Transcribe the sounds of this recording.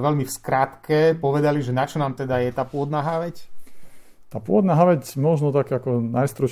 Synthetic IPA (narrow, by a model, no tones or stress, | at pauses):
ʋɛlmifskɾaːt̪kɛpɔʋɛd̪aliʒɛnat͡ʃɔnaːmt̪ɛd̪ajɛt̪aːpʊɔd̪naːɦaʋɛc | t̪aːpʊɔd̪naːɦaʋɛcmɔʒnɔt̪akɛakɔnajst̪ɾɔ